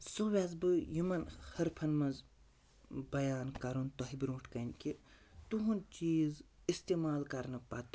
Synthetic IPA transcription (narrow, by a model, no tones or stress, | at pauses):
soʋʲjazbɨjumɐnhɐɾpʰɐnmɐnz | bɐjaːnkɐɾunt̪oɦibɾoːʈʰkɐnʲki | t̪uɦunt͡ʃiːz | ist̪emaːlkɐɾnɨpɐt̪